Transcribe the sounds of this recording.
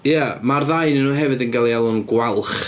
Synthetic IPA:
jamarðajnənːuːɦɛvɨdənɡalˠialˠʊnɡwalˠχ

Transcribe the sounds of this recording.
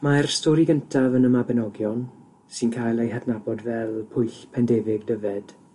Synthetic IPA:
maɛrstɔːɾiɡəntʰavənəmabɛnɔɡjɔn | sɨnkʰajlˠejɦɛdnabɔdvɛlˠpʰʊjɬpʰɛndeːvɪɡdəvɛd̥

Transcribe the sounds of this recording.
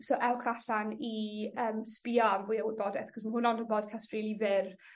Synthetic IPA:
soʔɛwχaɬaniəːmspɪɔambʊjəwɪbɔdɛθχɔsməɦʊnɔndənbɔd̥̚kʰastriːlˠivɪr

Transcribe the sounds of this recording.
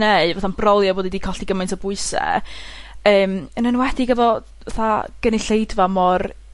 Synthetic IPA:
neɨvaθanb̥rɔlˠjɔboːdidiːkʰɔɬd̥iɡəmajntʰɔbʊɨsɛ̰ | əːmənənwɛdɪɡɛvɔ | vaθaɡ̥əniɬejdvamɔr

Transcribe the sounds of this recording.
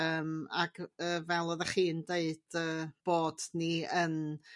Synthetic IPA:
əːma̰ɡ̥əːvɛlˠɔðəχiːndeɨd̥əːb̥oːdniən

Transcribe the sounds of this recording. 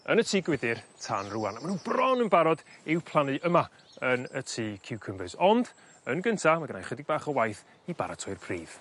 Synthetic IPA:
ənətʰiːɡwɪdɪrtʰanruanamanubrɔnənbaɾɔd̥ɪwpʰlˠanɨʔəma | ənətʰiːkʰɪwkʰəmbɨsɔnd̥ | ənɡəntʰamaɡənajχwɛdɪɡ̚baːχəwajθ | iba̰ɾatʰɔɨrpʰriːv̥

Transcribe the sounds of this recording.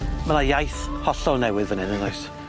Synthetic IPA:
manajajθhɔɬɔnɛwɪðvənɪnənɔjs

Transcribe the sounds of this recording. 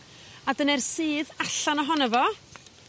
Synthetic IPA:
adənɛrsɨːðaɬanɔɦɔnɛvɔ

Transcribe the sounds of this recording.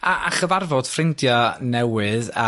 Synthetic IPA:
aʔaχəvarvɔd̥frɪndjɔnɛwɨða

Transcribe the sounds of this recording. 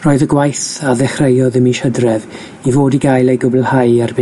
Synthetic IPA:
roːɨðəɡwajθaðɛχrejɔðəmiʃədrɛv | ivoːdiɡajlˠejɡʊbɛlˠhajarbɪ

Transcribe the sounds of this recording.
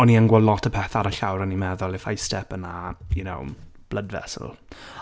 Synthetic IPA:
ɔniəŋɡwɔdlˠɔtʰəpʰɛθaɾəɬawɾənimɛðʊlˠɪfajstɛpənajuno̰wb̥lədvɛ̰sə̰l̩ˠ

